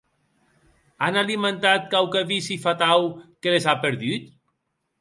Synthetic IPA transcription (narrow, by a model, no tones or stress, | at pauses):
analiment̪at̪̚kawkaβisifat̪awkelezapeɾðyt̪